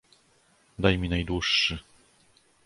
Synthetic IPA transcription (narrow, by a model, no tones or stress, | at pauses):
d̪ajmʲinajd̪wuʂːɘ